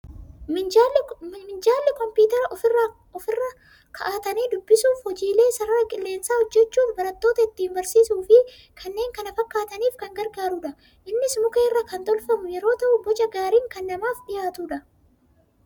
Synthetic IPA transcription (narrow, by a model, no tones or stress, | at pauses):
ɪ | mɪnd͡ʒaːlːɪkɔmpjuːt̪ɛɾɐʔɔfrː | ɔfɪrːɐ | kʰɐʔaːt̪ɐneːd̪ʊbːɪsuːfhɔd͡ʒiːle̞ːsɐɾɐɾɐkʼɪlːe̞ːnsaːhɔd͡ʒːɛt͡ʃːuːfbɐɾɐt̪ːoːt̪ɐɪt̪ːiːmbɐɾsiːsuːfɪ | kʰɐnːe̞ːŋkɐnɐfɐkːaːt̪ɐniːfkɐŋɡɐɾɡaːɾuᶑɐ | ʔɪnːɪsmʊkeːrːɐkɐnt̪ʼɔlfɐmʊjɛɾo̞ːt̪ɐʔʊbɔd͡ʒɐɡaːɾiːŋkɐnːɐmaːfᶑɪjaːt̪uːᶑɐ